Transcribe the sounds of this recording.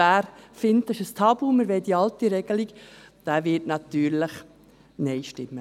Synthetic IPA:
æːɾfɪntɪʃəst̪ʰɑbuməɾʋeːdiɑlt̪iɾɛɡəliɡd̥æʋɪtnɑt̪yːɾləχ | nɛɪʃtɪmːə

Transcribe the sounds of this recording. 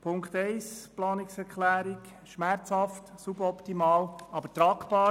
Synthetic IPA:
pʰʊŋkt̪ɛɪsplɑːnɪksɛɾkχlæːɾik | ʃmæɾt͡shɑftsubəɾɔptimɑːlɑb̥ətɾɑːkpɑː

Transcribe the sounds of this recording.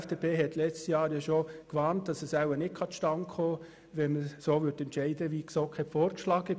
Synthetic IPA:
fd̥epʰeːɦɛtlɛt͡stjɑːɾjɑʃokʋɑːnt̚d̥ɑsɛsawənɪt̚kʰɑtʃtɑŋkχoː | ʋɛnməsoːʋʏtɛntt͡ʃɛɪdəʋiksokʰɛfoːɾkʃlɑːɡɪ

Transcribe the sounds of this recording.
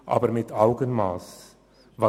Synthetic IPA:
ʔɑ̰ːbəɾmɪtaʊɡənmaːs | vɑ

